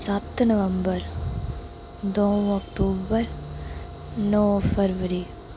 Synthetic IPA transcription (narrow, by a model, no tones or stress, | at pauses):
sat̪nɐʋəmbəɾ | d̪oːũɐkʈuːbəɾ | nɔːpʰəɾʋəɾiː